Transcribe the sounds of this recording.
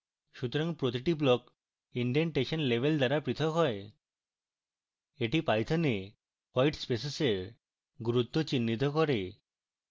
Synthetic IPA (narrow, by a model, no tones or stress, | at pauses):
ʃut̪ɔɾaŋpɾot̪̬iʈiblɔk | iɳɖiənʈeʃɔnlebʱeld̪aɾapɾit̪ʰɔkɦɔe | eʈipajt̪ʰane | kwajʈspeseseɾ | ɡuɾut̪ːɔt͡ʃinːit̪̬ɔkɔɾe